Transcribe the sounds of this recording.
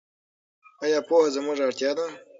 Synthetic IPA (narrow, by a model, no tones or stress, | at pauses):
ajɑːpohazamʊʐaɽt̪jɑd̪a